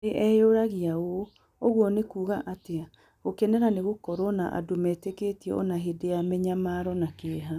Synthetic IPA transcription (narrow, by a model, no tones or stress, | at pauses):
eʔɛjoɾaɣiao | oɣwɔnekuːɣaʔatea | okɛnɛɾaneɣokɔɾɔna̰ʔa̰domɛːteketiɛ̰ʔɔ̰naɦedeamɛɲamaɾɔnakeɦa